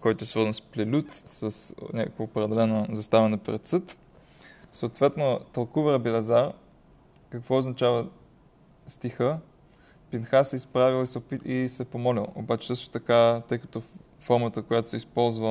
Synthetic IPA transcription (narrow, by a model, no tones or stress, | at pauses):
kɔjt̪oɛsvɤɾzənsplɛlʲut̪sɐsnʲɲʲakəkvoːpɾɛd̪ɛlɛnozɐst̪avɛnopɾɛt̪sɤt̪ | soːt̪vɛt̪not̪ɐlˠkuvəɾəbilɛzaɾ | kɐkvɔoznɐt͡ʃavə | st̪ixə | pinxasɛispɾavilˠisɛopiisɛpomɔlʲilˠo̰bat͡ʃɛ̥sɤʃt̪o̥t̪ɐkat̪ɤjkɐ̥t̪o | fɔɾmət̪əkojat̪o̥sɛispɔlˠzvə